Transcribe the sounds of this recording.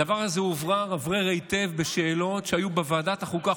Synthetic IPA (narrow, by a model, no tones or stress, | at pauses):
avaʁazeuvʁaʁavʁeʁejt̪e̞vbeʃeːlo̞tʃeajubevaːdat̪aχuka